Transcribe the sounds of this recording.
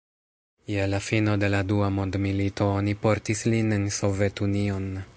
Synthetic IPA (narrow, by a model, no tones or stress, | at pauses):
jelafino̞de̞laduamo̞ndmilito̞onipo̞ɾtislinenso̞ve̞tunio̞n